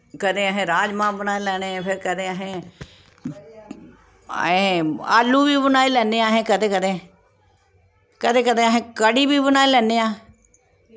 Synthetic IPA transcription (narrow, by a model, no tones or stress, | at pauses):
kəd̪ẽːəɦẽːɾaːd͡ʒmãːbənaːeːlɛːɽ̃eːpʰɪɾkəd̪ẽːəɦẽː | ɦẽa̰ːlːuːʋiːbənaːiːlɛːneːãːɦẽːkəd̪ẽːkəd̪ẽː | kəd̪ẽːkəd̪ẽːəɦẽːkəɽiːbiːbənaːiːlɛːneːãː